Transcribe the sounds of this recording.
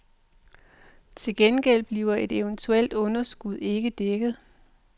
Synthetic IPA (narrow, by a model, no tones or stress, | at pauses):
t͡sʰe̝lɡ̥enɡ̥el̰b̥liːʊɐe̝d̥e̝ʊnt͡sʰuel̰d̥ɔ̽nɐsɡ̥uð̞̰ˠe̝ɡ̥əd̥eɡ̥ð̞̩ˠ